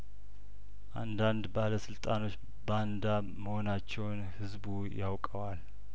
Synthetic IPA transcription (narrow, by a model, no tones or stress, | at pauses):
ʔand̪and̪baləsɨlt̪ʼano̞t͡ʃː | band̪a | məho̞nat͡ʃːɛwnhɨzbujawkʼəwal